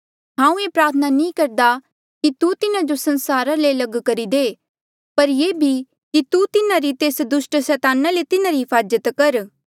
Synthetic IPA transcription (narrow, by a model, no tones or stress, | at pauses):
ɦãːũeːpɾaːt̪ʰənanĩkɐɾd̪a | kit̪ut̪ɪnad͡ʒosɐ̃nsaːɾalelɐɡkɐɾid̪eː | pɐɾjeːbʱi | kit̪ut̪ɪnaɾit̪eːsd̪ʊʃʈsɛːt̪aːnalet̪ɪnaɾiɦɪpʰaːd͡ʒət̪kɐɾ